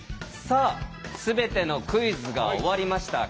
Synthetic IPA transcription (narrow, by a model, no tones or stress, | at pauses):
saːsɨbe̞t̪e̞no̞kɯ̟izɨɡa̰oβaɾʲimaɕi̥t̪a̰